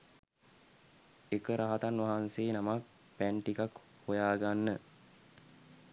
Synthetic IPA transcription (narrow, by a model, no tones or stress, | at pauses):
ekəɾaɦat̪anʋaɦanseːnamak̚ | pæɳʈikak | hojaːɡanːə